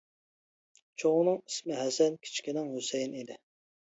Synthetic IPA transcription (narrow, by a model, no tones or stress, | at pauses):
t͡ʃʰoŋnɨŋismɪɦɛsɛnkʲʰi̥t͡ʃkʲinɪŋɦusɛjinid̪ɪ